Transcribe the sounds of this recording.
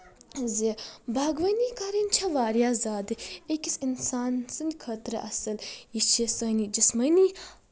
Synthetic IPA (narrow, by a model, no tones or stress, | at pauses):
zebʱaːɡʋɐnikaɾinʲt͡ʃʰɐʋaːɾjaːzaːd̪ɨekisinsaːnsɨnd̪ʲkʰɐt̪ɾɐʔɐsɨljit͡ʃʰisɐnid͡ʒismɐni